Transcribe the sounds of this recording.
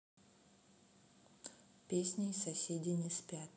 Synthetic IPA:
pʲesʲnʲisɐsʲedʲɪnʲɪsʲpʲat̪

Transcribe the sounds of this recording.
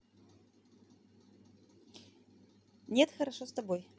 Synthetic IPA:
nʲet̪xɐɾɐʂost̪ɐboj

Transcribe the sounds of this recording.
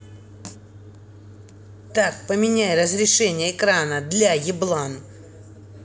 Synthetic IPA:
t̪akpəmʲɪnʲæjrəzɾʲɪʂɛnʲɪjəːkɾanəd̪lʲajɪblˠan

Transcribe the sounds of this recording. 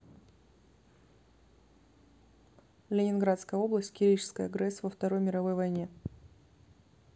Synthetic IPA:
lʲɪnʲɪnɡɾat̪skəjəo̞blˠəsʲtʲkʲɪɾʲijt͡ɕɪ̥skəjɐɡɾɛsːvəft̪ɐɾo̞jmʲɪɾɐvo̞jvɐjnʲe

